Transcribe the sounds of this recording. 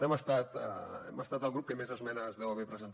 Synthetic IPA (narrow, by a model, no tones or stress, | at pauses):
ɛməst̪at̪ə̰ɛ̰məst̪at̪əlˠɣɾup̚kemezəzmɛnəzðɛwəβɛpɾəzənt̪